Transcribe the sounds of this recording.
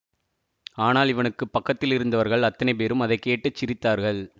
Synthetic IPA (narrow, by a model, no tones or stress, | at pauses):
aːnaːlɪʋɐnɯkːɯpːɐkːɐt̪ːɪlɪɾɯnd̪ɐʋɐɾɣɐɭɐt̪ːɐnɐɪpeːɾɯmɐðɐɪkːeːʈːɯt͡ʃːɪɾɪt̪ːaːɾɣɐɭ